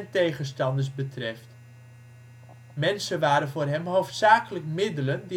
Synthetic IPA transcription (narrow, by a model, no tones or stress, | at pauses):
ntejχənstɑndəsbətrɛft | mɛnsəʋaːɾənvoːrɦɛmɦowftsaːkələkmɪdələndi